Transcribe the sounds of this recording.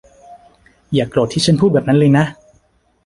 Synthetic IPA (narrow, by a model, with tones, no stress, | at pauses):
jaː˨˩kːloː˨˩t̪ʰːiː˥˩t͡ɕʰa˥npʰuː˥˩bɛː˨˩p̚na˦˥lɤː˧jna˦˥ʔ